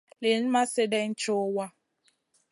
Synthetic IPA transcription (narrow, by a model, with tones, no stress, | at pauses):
le˨n̩˦ma˦sɪ˦de˦n̩˦t͡ʃo˦wa˦